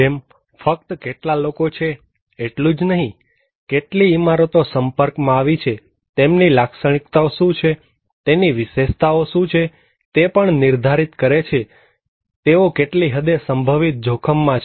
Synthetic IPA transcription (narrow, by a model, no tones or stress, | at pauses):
em | fək̚t̪keʈlalokot͡ʃʰeː | ʈlũd͡ʒnəɦĩ | keʈliimaɾot̪osəmpəɾkmãaʋit͡ʃʰe | t̪emnilaksəɳ̃ikt̪aoʃũt͡ʃʰe | t̪eniʋɪʃeʃt̪aoʃũt͡ʃʰe | t̪epəɳniɾd̪ʱaɾit̪kəɾet͡ʃʰe | t̪eokeʈliɦəd̪esəmbʱəʋit̪̚d͡ʒʱokʰəmːãt͡ʃ